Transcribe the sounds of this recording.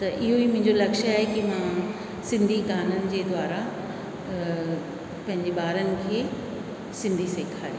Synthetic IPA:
t̪ɐʔɪɦoimʊ̃ɦɪ̃ɲd͡ʑolɐkʃaːɦekimã | sɪ̃nd̪ʱiɡaːnənɪ̆d͡ʑeːd̪waːɾa | pɐ̃ɦɪ̃ɲd͡ʑeɓaːɾənɪ̆kʰeː | sɪ̃nd̪ʱiseːkʰaːjoː

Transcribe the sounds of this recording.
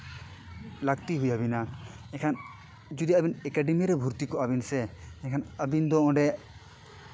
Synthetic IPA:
laɡt̪iɦujabina | ɛkʰan | d͡ʒud̪iabinɛkaɖɛmiɾɛbʱuɾt̪ikɔʔabinsɛɛkʰanəbind̪ɔɔ̃ɖɛ

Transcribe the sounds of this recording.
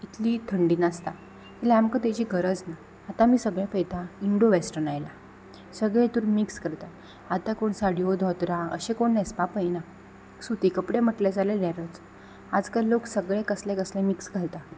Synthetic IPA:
it̪ʰlit̪ʰəɳɖiːnast̪a | t̪ilaamkət̪ed͡ʑiːɡʱəɾəd͡znaː | t̪amiːsəɡɭjapəjt̪aiɳɖoʋesʈənajla | səɡɭɛ̃t̪uɾmikskəɾt̪a | at̪akoɳsaɽijod̪ʱɔt̪ɾaə̰ɕẽkoɳːɛspapəjna | sut̪ikəpɽem̤əʈlad͡zaleɾaɾət͡s | ad͡zkalːoksəɡɭɛkəslɛkəslɛ̃miksɡʱalt̪a

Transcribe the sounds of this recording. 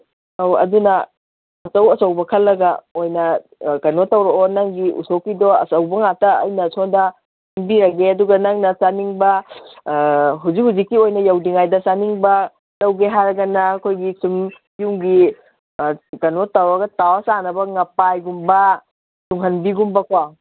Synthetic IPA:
awɐ̰dunɐ | ɐsɐwɐsɐwbɐkʰɐlːɐɡɐojnɐkɐnotɐwɾɐɔnaŋɡiʔṵsowkːidɔɐ̰sɐwbɐŋatɐ̰ːjnɐsʰɔndɐ | haŋbiɾɐɡeɐduɡɐnaŋnɐsaniŋbɐ | ɦuzik̚huzikːiojnɐjɐwdiŋajdɐsaniŋbɐ | tɐwɡeɦaɾɐɡɐnːɐːkʰojɡisum | juŋɡi | kɐnotawɐɡɐtawɐsanɐbɐŋɐpajɡumbɐ | tuŋɦɐnbiɡumbɐkʰwaw

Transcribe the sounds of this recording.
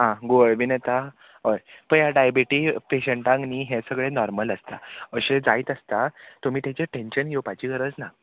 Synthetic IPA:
ɦãɡoəɭʋinet̪a | ɦəjpəɳjaɖajbiʈiːpeɕəɳʈãŋkniːɦẽsəɡɭenɔɾmələst̪a̰əɕẽd͡zaiːt̪əst̪at̪um̤iːt̪jet͡ɕeʈenɕənjopat͡ɕiːɡəɾəd͡zna

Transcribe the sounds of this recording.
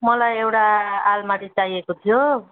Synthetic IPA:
mʌlajewʈaalmaʈit͡sajekot̪ʰijo

